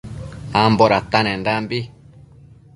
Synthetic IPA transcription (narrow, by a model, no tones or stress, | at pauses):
amboɾat̪anẽndambi